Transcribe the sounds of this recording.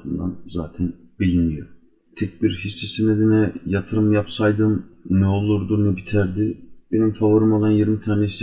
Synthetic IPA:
fɯnd̪anzaːt̪ʰɛnbilʲinmijoɾ | t̪ʰɛc̚biɾhisːesined̪enɛjat̪ʰɯɾɯmjapsajd̪ɯmnɛo̞lˠuɾd̪unɛbit̪ʰæɾd̪ib̥e̞nimfavoɾɯmalˠanjiɾmit̪ʰaːnes

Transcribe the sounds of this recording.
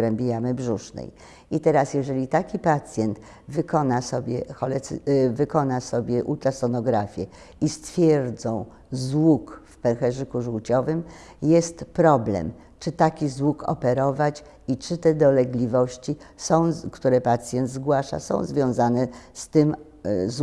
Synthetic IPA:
ɾɛmʲbʲjejamɘbʐuʂnɛ̰j | it̪ɛɾasjɛʐɛlʲit̪akʲipat̪sʲjɛnt̪ | vɘkɔnasɔbʲjɛxɔlɛt̪svɘkɔnasɔbʲjɛʔut̪ɾasɔnɔɡɾafʲjɛ | ist̪fʲjɛɾd̪zɔ̃w̃ | zwukfpɛxɛʐɘkuʐuwt͡ɕɔvɘm | jɛst̪pɾɔblɛ̰m | t͡ʂɘt̪akʲizwukɔ̰pɛɾɔvat͡ɕ | it͡ʂɘt̪ɛd̪ɔlɛɡlʲivɔɕt͡ɕisɔ̃w̃kt̪uɾɛpat̪sʲjɛnd̪zɡwaʂa̰sɔ̰̃w̃zvʲjɔ̃w̃zanɛst̪ɘm | z

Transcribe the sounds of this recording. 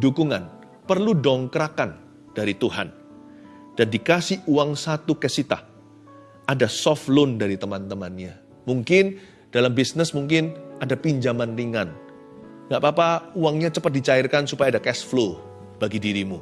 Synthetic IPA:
dukuŋan | pərludɔŋkɾakan | d̥aɾit̪uɦa̰n | d̥andikasɪhuaŋsat̪ukɛsit̪a̰ | ʔadasɔflʊndaɾit̪əmant̪əmanɲa | muŋkɪn | d̥alambisnəsmuŋk̬ɪnadapiɲd͡ʒamanriŋan | ŋɡaʔpapauaŋɲat͡ʃəpət̪̚dit͡ʃaɪrkansupajaːdakɛsflo | b̥aɡidiɾimu

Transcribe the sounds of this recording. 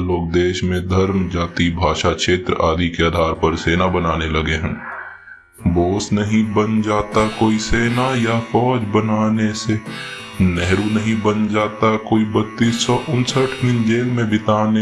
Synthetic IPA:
loːk̚d̪eːʃmẽd̪ʱɐɾmd͡ʒaːt̪ibʱaːʃakʃeːt̪ɾəaːd̪ikead̪ʱaːɾpəɾseːnabənaːnelɐɡeɦɛ̃ː | boːsnəɦĩbənd͡ʒaːt̪akoːiseːnajafɔːd͡ʒbənaːnese | nɛɦɾunəɦĩbənd͡ʒaːt̪akoːibət̪ːiːsːɔʔʊ̃nsəʈʰmɪnd͡ʒeːlmẽbɪt̪aːne

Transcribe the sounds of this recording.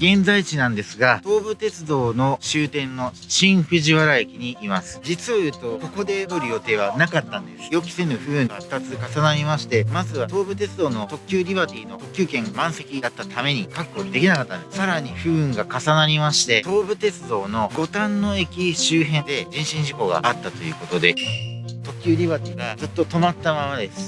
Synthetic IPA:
ɡẽ̞nd͡zait͡ɕinãnd̪e̞sɨɡat̪o̞ːbɯ̟t̪e̞t͡sɨd̪o̞ːno̞ɕɨːt̪ẽ̞nːo̞ | ɕĩɰɸɯ̟ʑiβaɾaekʲiɲ̟iːmasɨɨ̥d͡ʑit͡sɨajɯ̟t̪o̞ko̞ko̞d̪e̞d̪oɾɯ̟jo̞t̪e̞ːβ̞anakat̪ːãnd̪esɨ̥jo̞kʲi̥se̞nɯ̟ɸɯ̟ːɯ̟̃ɡat̪ːat͡sɨkasanaɾʲimaɕi̥t̪e̞mazɨβat̪o̞ːbɯ̟t̪e̞t͡sɨd̪o̞ːno̞t̪o̞kʲɨːɾʲibat̪ʲiːno̞t̪okʲɨːkẽ̞ŋmãɰ̃se̞kʲid̪at̪ːat̪ame̞ɲ̟ikakkod̪e̞kʲinakat̪ːã̰nd̪essaɾaɲ̟iɸɯ̟ːɯ̟ŋɡakasanaɾʲimaɕi̥t̪e̞t̪o̞ːbɯ̟t̪e̞t͡sɨd̪o̞ːno̞ɡo̞t̪ãnːo̞ekʲiɕɨːɦẽ̞nd̪e̞ʑĩɰ̃ɕĩɲ̟d͡ʑiko̞ɡa̰at̪ːat̪o̞jɯ̟ko̞t̪o̞d̪e̞t̪o̞kʲɨːɾʲibat̪ʲiːɡazɨt̪ːo̞t̪o̞mat̪ːamamad̪e̞sɨ̥

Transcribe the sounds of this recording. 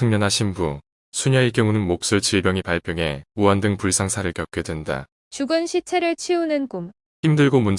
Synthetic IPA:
ɯŋɲʌnɦaɕʰimbu | sʰuɲaikjʌŋunɯnmok̚s͈ɯɭt͡ɕiɭbjʌŋipaɭpʰjʌŋɦe̞uandɯŋpuɭs͈ʰaŋsʰaɾɯɭkjʌk͈̚edwe̞nda̰ | t͡ɕuɡɯnɕʰit͡ɕʰeɾɯɭt͡ɕʰiunɯnkum | çimdɯɭɡomun

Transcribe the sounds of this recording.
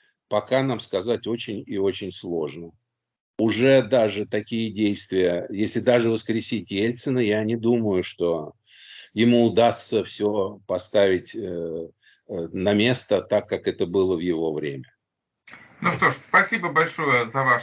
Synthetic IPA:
pɐkanamskɐzatʲo̞t͡ɕɪnʲɪo̞t͡ɕɪnʲslˠo̞ʐnə | ʊʐɛd̪aʐɨt̪ɐkʲijədʲejst̪vʲɪjəjesʲlʲɪd̪aʐɨvəskɾʲɪsʲitʲjelʲt̪sənəjanʲɪd̪uməjʊʂt̪o̞ | jɪmuʊd̪ast̪səfsʲopɐst̪avʲɪtʲ | nɐmʲe̞st̪ət̪akːakɛt̪əbɨlˠəvjɪvo̞vɾʲḛmʲə | nuʂt̪o̞ʂspɐsʲibəbɐlʲʂojəzɐva

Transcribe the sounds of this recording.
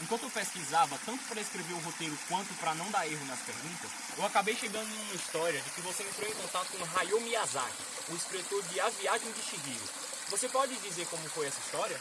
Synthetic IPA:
ẽkwɐ̃t̪ʊewpeskizavɐt̪ɐ̃nt̪ʊ̥pɾɐeskɾeveɾʊɦot̪ejɾʊkwɐ̃nt̪ʊpɾɐnɐ̃w̃d̪aɾeɦʊnɐspeɾɡũt̪ɐs | ewakabejʃeɡɐ̃d̪ʊ̃ũmɐist̪ɔɾiɐd͡ʒɪkɪvoseẽnt̪ɾowẽkõt̪at̪ʊ̥kõɦajomiaza̰kɪ | ʊispɾet̪oɾd͡ʒɪaviaʒẽj̃d͡ʒɪʃiɡilʊ̰ | vosepɔd͡ʒɪd͡ʒizeɾkõmʊfojɛsɐist̪ɔɾiɐ

